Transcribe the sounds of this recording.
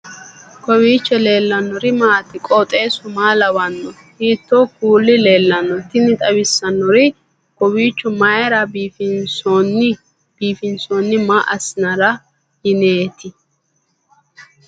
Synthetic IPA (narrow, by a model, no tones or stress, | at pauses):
kɔwiːt͡ʃːɛle̞ːlːɐnːɔɾɪmaːt̪ɪkʼɔt̪ʼe̞ːsʊmaːlɐwɐnːɔ | hiːt̪ːokuːlːɪleːlːɐnːɔt̪ɪnɪt̪ʼɐwɪsːɐnːɔɾɪ | kɔwiːt͡ʃːʊmɐjɛɾɐbiːfɪnsɔn | b̥iːfɪnsoːnːɪmaːʔɐsɪnɐɾɐ | hɪneːt̪ɪ